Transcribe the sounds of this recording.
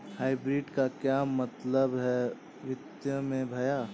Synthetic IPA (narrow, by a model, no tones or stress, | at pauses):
haːɪbɾiːɖkakjaːmːɐt̪ləbɦɛ | ʋɪt̪jəmẽbʱɐjaː